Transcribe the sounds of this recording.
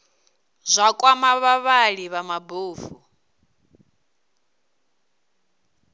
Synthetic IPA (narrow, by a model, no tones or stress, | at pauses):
zʷakʼwamaβaβaɺiβamaboːvu